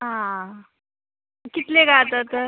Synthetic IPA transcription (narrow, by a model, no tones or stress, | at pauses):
ɦã | kit̪leɡat̪ət̪ə